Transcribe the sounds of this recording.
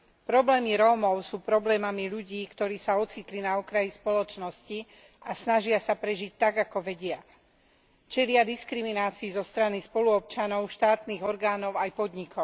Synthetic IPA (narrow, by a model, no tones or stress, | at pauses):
pɾɔblɛːmiɾɔːmɔʊsuːpɾɔblɛːmamiʎuɟiːkt̪ɔɾiːsaɔt͡sit̪linaɔkɾajispɔlɔt͡ʃnɔsci | ʔasnaʒɪasapɾɛʒic̚t̪aɡakɔʋɛɟɪa | t͡ʃɛlɪad̪iskɾiminaːt͡siːzɔst̪ɾanispɔluɔp̚t͡ʃanɔʊʃt̪aːt̪niːɣɔɾɡaːnɔʊajpɔd̪ɲikʰɔʊ